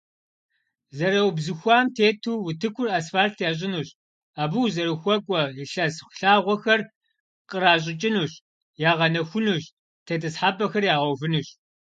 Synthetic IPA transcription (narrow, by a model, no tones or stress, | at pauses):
zɐɾɐwbzɨxʷɑːmtʰeːtʰuːwʊtʰɨkʷʰʊrasfaːltʰjaːɕ̬ʼɪnuːɕ | aːbuwzɐɾɨxʷɔkʷʼɔjɪɬɐsxʷɬaːʁʷɔxɐr | qʼəɾaːɕ̬ʼɪt͡ʃʼɪnuːɕ | jaːʁɐnɐxʷʊnuɕ | tʰeːtʰɐsħaːbɐxɐrjaːʁɐwvɨnuɕ